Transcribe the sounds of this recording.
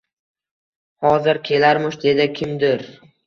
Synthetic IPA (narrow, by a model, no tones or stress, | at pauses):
hɒzɪɾkʲʰe̞laɾmʊʃd̪e̞d̪ɪkʲʰɪmd̪ɪɾ